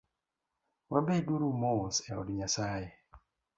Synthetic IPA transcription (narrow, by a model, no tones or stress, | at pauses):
wabeduɾumosɛɔdɲasaje